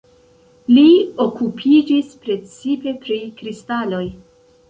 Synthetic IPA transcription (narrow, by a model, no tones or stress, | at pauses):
lio̞kupʰid͡ʒispɾe̞t͡sipe̞pɾikɾistalo̞j